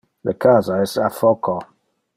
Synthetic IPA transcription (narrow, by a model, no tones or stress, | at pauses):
ðəkʰazaɪsafɔkʰɔ